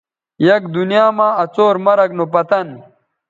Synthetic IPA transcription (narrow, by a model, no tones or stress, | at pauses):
jɐkd̪unijaːmãːɐt͡soːɾmɐɾɐknopɐt̪ɐn